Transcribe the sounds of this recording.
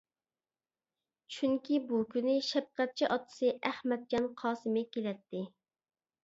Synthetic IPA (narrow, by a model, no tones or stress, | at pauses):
t͡ʃʰyŋkʲʰibukʲynɪʃɛp̚qɛt̪̚t͡ʃʰiʔɑt̪ːɨ̥sɨʔæhmɛt̪̚d͡ʒɑnqʰɑːsɨmɪkʲʰelɛt̪ːɪ